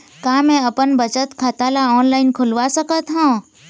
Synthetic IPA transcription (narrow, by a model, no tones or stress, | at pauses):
kãmɛ̃əpənbət͡ʃət̪kʰat̪alaɔːnlaːɪnkʰʊlʋasəkət̪ɦãː